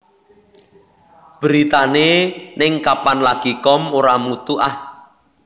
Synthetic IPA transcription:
b̥əɾit̪anenɪŋkapanlaɡ̥ikɔmoɾamut̪uʔah

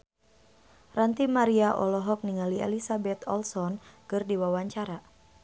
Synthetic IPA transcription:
rant̪imaɾiaʔɔ̰lɔɦɔk̚niŋaliḛlisabɛt̪ɔlsɔnkɨrdiwawaɲt͡ʃaɾa

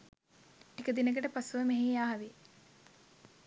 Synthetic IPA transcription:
ekəd̪inəɡəʈəpasuʋəmeɦijaːɦɐʋi

